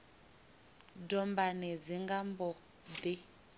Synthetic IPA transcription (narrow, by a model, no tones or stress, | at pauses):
dɔmbanɛd͡ziŋɡambɔ | d̪i